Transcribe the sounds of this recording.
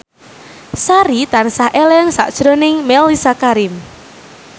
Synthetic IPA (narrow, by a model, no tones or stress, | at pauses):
saɾit̪ansahʔelɛŋsa̰ʔd̥ʒ̥ɾonɪŋmɛlisakaɾɪm